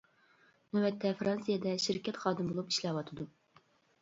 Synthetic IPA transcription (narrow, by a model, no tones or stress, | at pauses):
nɛwɛt̪ʰːɛfɾɑnsɨjɛd̪ɛʃiɾkʲʰɛt̪χɑːd̪ɨmbolˠupi̥ʃlɛwɑt̪ʰɨd̪u